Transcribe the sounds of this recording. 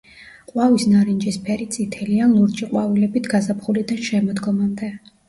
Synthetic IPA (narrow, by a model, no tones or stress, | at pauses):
qʼwavisnaɾind͡ʒispʰɛɾit̪sʼit̪ʰɛlianlˠuɾt͡ʃʼiqʼwavilɛbit̪ʰɡazapχulid̪anʃɛmɔd̪ɡɔmand̪ɛ